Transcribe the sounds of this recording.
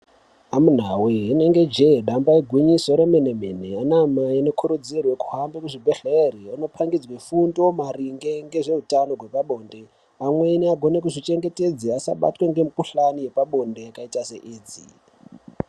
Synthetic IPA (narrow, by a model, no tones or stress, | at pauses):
amun̤awiɦine̞ŋɡe̞d͡ʒeɗambaiɡʱwiɲiso̞ɾemenemeneanamaino̞kʰuɾud͡zirwe̞ku̥ɦambekuʐibʱeɬeɾiano̞pʰaŋɡid͡zwefundomaɾiŋɡe̞ŋɡe̞ʐe̞ɦutanoɡʱwe̞paɓo̞ːnde̞ | amwe̞niaɡʱo̞ne̞kuʐit͡ʃe̞ŋɡe̞ted͡ziasa̰ɓa̰tweŋɡe̞mukuɬanije̞paɓo̞ndejakaitase̞ʔiːd͡zḭ